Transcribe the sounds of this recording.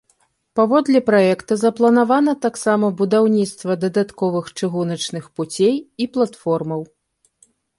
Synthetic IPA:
pavɔd̪lʲɛpɾajɛkt̪ɐzɐplˠɐnavan̪ɐt̪aksamɐbud̪awnʲit̪st̪vɐd̪ɐd̪at̪kɔvɨxt͡ʂɨɣunɐt͡ʂnɨxput͡sʲejiplˠat̪fɔrmɐw

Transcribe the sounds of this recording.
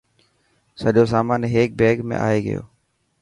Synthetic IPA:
səʄoːs̬aːmaːnɦeːk̚beːɡmḛ̃ʔa̰ːeːɡə̰jo̰ː

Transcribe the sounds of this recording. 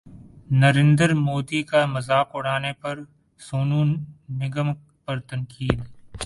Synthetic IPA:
nɐɾẽːnd̪əɾmoːd̪ikamɐzaːkʊɽ̤aːnepɐɾ | soːnuːnmɪɡəm | pɐɾt̪ɐ̃ŋkiːd̪

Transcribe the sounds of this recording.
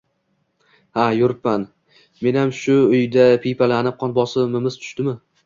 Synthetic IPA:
hajʊɾɪpːan | me̞namʃʊʊjd̪apʰijpʰalanɪp̚qʰɒnbɒsɪmɪmɪz̥t̪ʰʊ̥ʃt̪ɪmɪ

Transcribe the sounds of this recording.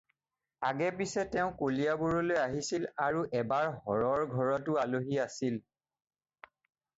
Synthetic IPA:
a̰ɡɛpisɛtɛʊ̃kolijabuɹɔlojaɦisilaɹuʔɛbaɹhɔɹɔɹɡʱɔɹɔtʊaloɦiasil

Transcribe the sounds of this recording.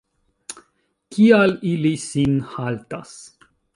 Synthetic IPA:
kialilisinhalt̪as

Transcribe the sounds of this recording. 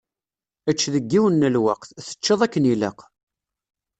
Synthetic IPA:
ət͡ʃːðəɡːiwənːəlwaqθθə̥t͡ʃːəðˤækːənilə̰q

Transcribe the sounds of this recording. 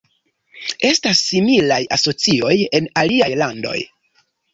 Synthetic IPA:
e̞stasːimilajaso̞t͡sio̞je̞naliajlando̞̰j

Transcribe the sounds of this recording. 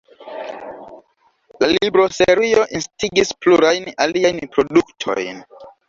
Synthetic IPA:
lalibɾo̞seɾijo̞ʔinstiɡispluɾajnaliajnpɾo̞duktʰo̰jn

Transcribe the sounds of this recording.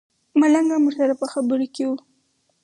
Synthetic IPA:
malaŋɡamuʐsaɾapəxabəɾokewu

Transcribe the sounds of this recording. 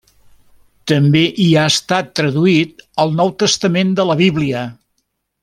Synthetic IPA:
t̪əmbeʔiaəst̪at̪ːɾəðuit̪̚əlˠnɔwt̪əst̪əmend̪ələβiβliə

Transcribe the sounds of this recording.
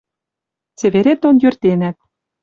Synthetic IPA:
t͡seβeɾet̪ːonjø̆rt̪enæt̪̚

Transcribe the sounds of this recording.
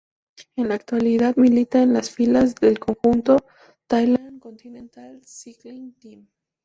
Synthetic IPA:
e̞nlaːk̚t̪waliðaðmilit̪aenlasfilazðelko̞ŋxunt̪o̞ | t̪ajland̪ko̞nt̪inẽnt̪alsiklint̪im

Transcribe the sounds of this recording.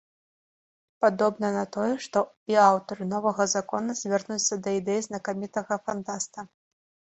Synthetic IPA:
pad̪ɔbnɐnɐt̪ɔjɛʂt̪ɔ | iawt̪ɐɾɨnɔvɐɣɐzakɔnɐzʲvʲarnut͡ssʲːɐd̪ɐid̪ɛjiznɐkamʲit̪ɐɣɐfant̪ast̪ɐ

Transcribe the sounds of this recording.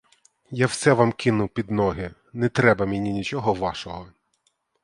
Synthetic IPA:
jawsɛʋamkɪnʊpʲid̪nɔɦɪ | nɛt̪ɾɛbɐmʲɪnʲinʲit͡ʃɔɦɔʋɑʃɔɦɔ

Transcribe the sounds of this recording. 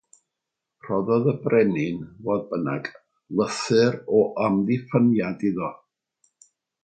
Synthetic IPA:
r̥ɔðɔðəbrɛnɪnvoðbənaɡ | lˠəθɨɾɔʔamðifənjadiðɔ

